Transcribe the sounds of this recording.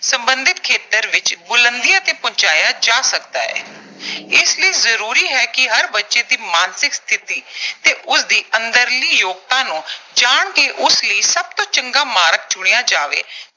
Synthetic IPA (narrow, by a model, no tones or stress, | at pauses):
səmbənd̪ɪt̪kʰeːt̪əɾʋɪt͡ʃbʊlənd̪ijãːt̪ẽːpʊ̃ːt͡ʃaːjaːd͡ʒaːsəkd̪a̰ːɛ̰ː | ɪsləiːzəɾuːɾiːɦɛːkɪɦəɾbətːʃeːd̪iːmaːnsɪkst̪ʰɪt̪iːt̪eːʔʊsd̪iːʔənd̪əɾliːjoːɡ̚t̪ãːnũːd͡ʒaːɳkeːʔʊsləiːsəb̚t̪õːt͡ʃəŋɡaːmaːɾək̚d͡ʒʊɽ̃ejãːd͡ʒaːʋḛː